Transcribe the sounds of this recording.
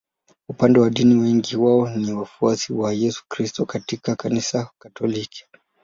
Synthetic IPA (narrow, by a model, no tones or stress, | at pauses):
upandɛwaɗiniwɛŋɡiwaɔniwafuasiwajɛsu̥kɾistɔkatikakanisakatɔliki̥